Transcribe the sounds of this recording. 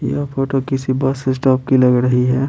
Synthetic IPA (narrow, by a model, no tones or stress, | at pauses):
ḭɔfʰoːʈokɪsibɐsɪs̬ʈɔːp̚kilɐɡɾəɦiɦɛː